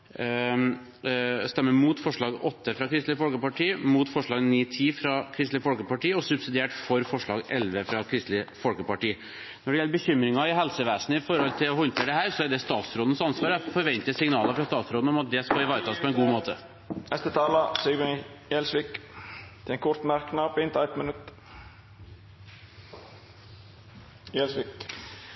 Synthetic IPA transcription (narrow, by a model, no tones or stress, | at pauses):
st̪ɛmːəmuːt̪fɔʂɭɑːɡɔt̪ːəfɾɑkʰɾɪst̪lɪfɔlkəpɑʈʰiːmuːt̪fɔʂɭɑːɡniːt̪ʰiːfɾɑkʰɾɪst̪lɪfɔlkəpɑʈiːəɔsʉbsɪd̪ɪeːʈfɔɾfɔʂɭɑːɡɛlʋəfɾɑkʰɾɪst̪lɪfɔlkəpɑʈiː | nɔɖɛjɛlːəɾbəçʏmɾɪŋɑɪɦɛlsəʋæːsnəɪfɔɾhɔlt̪ʰɪlɔhɔnt̪ʰeːɖɛɦæːɾsɔæɖɛst̪ɑːt̪sɾoːd̪n̩sɑnsʋɑːɾəfɔɾʋɛnt̪əsɪŋnɑːlɑfɾɑst̪ɑːt̪sɾoːd̪n̩ɔmɑt̪̚d̪ɛskɑɪʋɑːɾət̪ʰɑːspʰɔɛnɡuːmoːt̪ʰə | ɛst̪ət̪ʰɑːlɑsiɡɾənijɛlsʋikt̪ʰɪɛŋkʰʊɾt̪mæɾknɑpɪnt̪æɪt̪mənʉt̪ | jɛlsʋik